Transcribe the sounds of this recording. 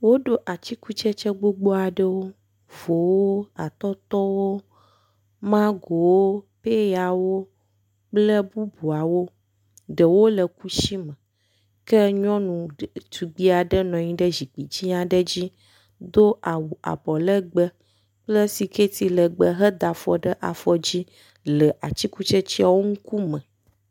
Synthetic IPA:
wo˦ɖo˦ʔa˨t͡ɕi˦ku˦t͡ʃɛ˦t͡ʃɛ˦ɡ͡bo˦ɡ͡bo˦a˨ɖə˦wo˦ | vo˨wo˦a˨t̪ɔ˦t̪ɔ˦wo˦ | mã˦ɡo˨wo˦pe˦ja˨wo˦ | k͡plə˦bu˦bu˨a˨wo˦ | ɖə˨wo˦lə˨ku˦ʃi˦mə̃˨ | kə˦ɲɔ̃˦nũ˨t̪u˨ɡ͡bi˦a˨ɖə˦nɔ̃˨ɲĩ˦ɖə˦zi˨k͡pi˨d͡ʑi˦ɲã˨ɖə˦d͡ʑi˦ | d̪o˦ʔa˨wu˨ʔa̰˨bɔ˨lə˦ɡ͡bə˦ | k͡plə˦si˨ke˦t̪i˦lə˨ɡ͡bə˦ɦə˦d̪a˨fɔ̰˨ɖə˦ʔa˨fɔ˨d͡ʑi˦ | lə˨ʔa˨t͡ɕi˦ku˦t͡ʃe˦t͡ɕi˦a˨wo˦ŋũ˦ku˦mə̃˨

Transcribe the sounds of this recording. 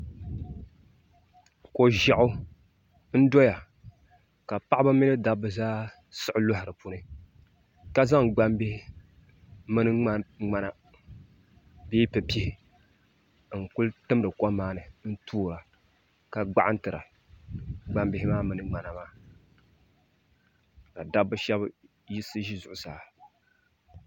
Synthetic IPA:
ko˨ʒɛ˨ʔʊ˦ | n̩˦dɔ˦ja˨ | ka˨pa˦ʔbɨ˦mɪ˦nɨ˦da˦bɨ˨zaː˦ | sɨ˦ʔʊ˦lʊ˦ɦɪ˨ɾɨ˨pu˦nɨ˦ | ka˦za˦ŋɡ͡ba˦mbɪ˦hɪ˦ | mɨ˦nɨ˦ŋ͡ma˦ŋ͡ma˨na˨ | beː˦pɛ˨pi˦hɪ˨ | ŋ̩˨kʊ˦ltɨ˦m˦dɨ˨kɔ˦maː˦nɨ˨n̩˦tʰuː˦˨la˨ | ka˨ɡ͡ba̰˦ʔa˦ntɨ˨ɾa̰˨ | ɡ͡ba˦mbɪ˦hɪ˦maː˦mɨ˨nɨ˨ŋ͡ma˨na˨maː˦ | ka˨da˦bːɨ˦ʃɛ˦b | ji˦sɨ˦ʒi˦zʊ˨ʔʊ˨saː˨

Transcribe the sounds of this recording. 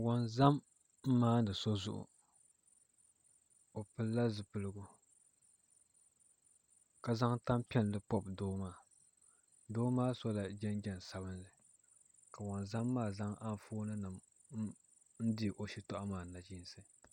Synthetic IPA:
wɔ˨nza˦m | m̩ː˦aː˦nɨ˨so˦zʊ̰˦ʔʊ̰˨ | o˨pɨ˦lːa˦zɨ˨pɨ˨lɨ˦ɡʊ˨ | ka˨za˦ŋta˦mpɛ˦n˨lɨ˦pɔ˦b̚doː˦maː˦˨ | doː˦maː˦so˦la˨d͡ʒɛ˦nd͡ʒɛ˨n˨sa˨bɨ˦nlɨ˨ | ka˨wɔ˨nza˦mːaː˦˨za˦ŋʔa˦n˦foː˦nɨ˦nɨ˨m˦ | n̩˦dɪ˦˨ʔo˨ʃi˦tɔ˦ʔa˦maː˨na˨d͡ʒi˦n˦sɨ˦

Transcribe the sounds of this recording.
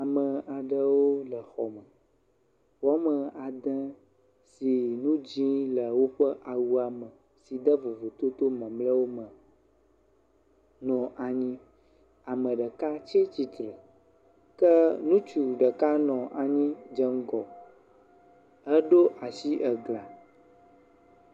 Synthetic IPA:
a˨mə̃˨a˨ɖə˨wo˦lə˨xɔ˨mə̃˨ | wɔ˨˦mə̃˨a˨d̪ɛ̃˦ | si˨nũ˦d͡ʑĩ˦lə˨wo˦ɸə˦ʔa˨wu˦a˨mə̃˨ | si˨d̪ə˦vo˨vo˨t̪o˦t̪o˦mɛ̃˨mlə̃˦wo˦mə̃˨ | nɔ̃˨ʔa˨ɲĩ˦ | a˨mə̃˨ɖə˨ka˦t͡ʃɛ˦t͡ɕi˦t̪ɾə˨ | kɛ˦nũ˦t͡ʃu˨ɖə˨ka˦nɔ̃˨ʔa˨ɲĩ˦d͡ʒə˦ŋ˦ɡɔ˨ | ə˦ɖo˦ʔa˨si˦ʔɛ˨ɡla˨

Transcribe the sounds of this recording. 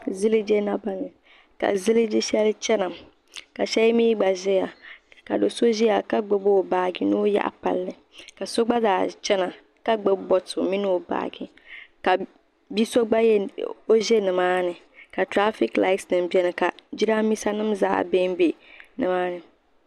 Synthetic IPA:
zɨ˦lɨ˦d͡ʒe˦na˦ba˦ŋɨ˨ | ka̰˨zɨ˦lɨ˦d͡ʒi˦ʃɛ˦lɨ˦t͡ʃɛ˦na˨ | ka˨ʃɛ˦miː˦ɡ͡ba˨ʒɛ˦ja˨ka̰˨do˨so˦ʒi˦ja˨ka˦ɡ͡bɛ˦bo˦˨baː˨ɡɪ˨no˦ja̰˦ʔa̰˨pa̰˨lːɨ˨ | ka˨so˦ɡ͡ba˦zaː˨˦t͡ʃɛ˦na˨ | ka˦ɡ͡bɛ˦bɔ˨tʊ˨mi˦nɨ˦o˨ba̰ː˨ɡɪ˨ | ka˨ | bi˦so˦ɡ͡ba˦jo˦ʒe˦nɨ˨maː˦nɨ˨ | ka˨tɾa˦fi˦kla˦ɪ˦tsnɨ˨mbɛ˦nɨ˨ka˨d͡ʒi˦ɾa˦mi˦sa˦nɨ˦mza̰ː˦˨be˦m˦be˨nɨ˨maː˦nɨ˨

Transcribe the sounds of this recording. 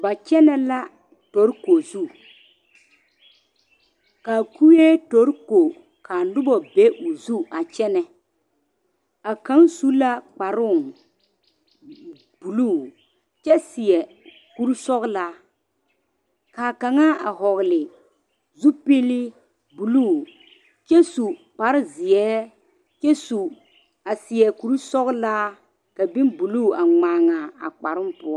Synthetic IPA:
ba˨t͡ʃɛ˦nɛ˦la˦ | tɔ˨˦ɾko˨zu˦ | kaː˨ku˦je˦to˨˦ɾko˨ | ka˨nʊ˦bɔ˨be˦ʔʊ˨zu˦a˨t͡ʃɛ˦nɛ˨ | a˨ka˨˦ŋsu˦la˦k͡pa˨ɾʊ˦˨ŋ | b̥u˨lu˦˨ | t͡ʃɛ˦sɪ˨ɛ˨ | ku˦ɾu˦sɔ˦ɣla˦ | kaː˨ka˨ŋaː˦a˨ɦɔ˨ɣlɪ˨ | zu˦pe˦lɪ˦ | bu˨luː˦˨ | t͡ʃɛ˦su˨k͡pa˨ɾɪ˦zɪ˨ɛː˦ | t͡ʃɛ˦su˨ | a˨sɪ˨ɛ˨ku˨ɾsɔ˦ɣla˦ | ka˨bi˦nbu˨luː˦˨a˨ŋ͡maː˨ŋa˨a̰˨k͡pa˨ɾʊ˦m˦pʊ˦ɔ˦

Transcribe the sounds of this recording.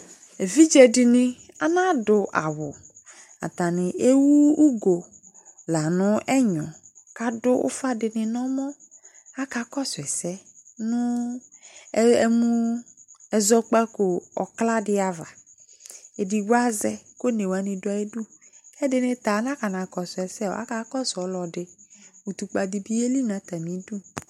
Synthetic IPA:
e˨vi˦d͡ʒɛ˨dɪ˨nɪ̃˦a˨nã˦dʊ˨ʔa˨wʊ˨ | a̰˨ta˨nɪ̃˨ʔe˦wu˦u˦ɡo˨ | la˨nʊ̃˦ʔɛ˦ɲɔ̃˨ | ka˨dʊ˦ʔʊ̰˦fa˦dɪ˨nɪ˨nɔ˦mɔ̃˦ | a˦ka˨kɔ˦sʊ˨ɛ˨sɛ˦nʊ̃˦ | ɛ˦mũ˦ | ɛ˨zɔ˦k͡pa˦kʊ˨ɔ̰˨kla˦dɪ˦a˨va˨ | e˨di˨ɡa˦zɛ˦ko˦ne˨wa˨˦nɪ̃˨dʊ˦a˨ɛ˦du˦ɛ˦dɪ˨nɪ̃˦t̪a˨˦n˦a˦ka˨nã˨kɔ˨sʊ˨ɛ˨sɛ˦ɔ̰˨a̰˦ka˨˦kɔ˦sɔ˨˦lɔ˨dɪ˨u˨tu˨k͡pa˨di˨bi˦e˦li˦nã˨˦t̪a˨nĩ˨˦du˦

